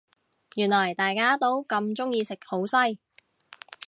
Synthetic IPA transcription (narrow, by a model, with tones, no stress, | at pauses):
jyː˨˩nlɐ˨˩jt̪aː˨jkaː˥t̪o˥wkɐ˧mt͡sʊ˥ŋjiː˧sɪ˨k̚ho˨˥wsɐ˥j